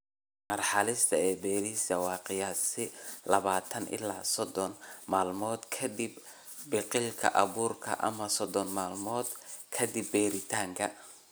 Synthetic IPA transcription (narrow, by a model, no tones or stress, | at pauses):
mɐrħɑlɪst̪ʰɐɛːbɛːɾisɐwɑːqɪjaːsɪlɐβaːt̪ʰɐnʔɪ̰la̰ːsɔd̪ɔnmaːlmɔːd̪kʰɐd̪ib | bɪqɪlkʰɐ̰ʔɐβuːrkʰɐ̰ʔɐ̰mɐsɔd̪ɔnmaːlmɔːd̪kʰɐd̪ibːɛːɾɪt̪ʰaːŋkʰɐ